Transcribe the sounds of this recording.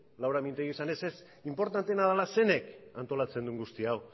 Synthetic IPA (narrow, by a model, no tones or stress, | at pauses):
lawɾamint̪eɣisane̞ses | impo̞ɾt̪ant̪enaðalase̞ne̞kant̪o̞lat͡se̞nd̪uŋɡust̪iaw